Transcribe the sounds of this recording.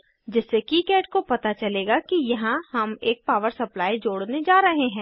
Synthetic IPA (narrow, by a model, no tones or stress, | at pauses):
d͡ʒɪsːekiːkɛːʈkopɐt̪at͡ʃɐleːɡakijɐɦãhɐmeːk̚paːʋəɾsɐplaːid͡ʒoːɽned͡ʒaːɾɐɦeɦɛ̃ː